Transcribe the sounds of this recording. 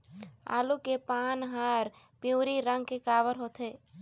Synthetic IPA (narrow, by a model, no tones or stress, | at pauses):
a̰ːlukepaːnɦaːɾ | pɪũːɾiɾə̃ŋɡkekaːʋəɾɦoːt̪ʰeː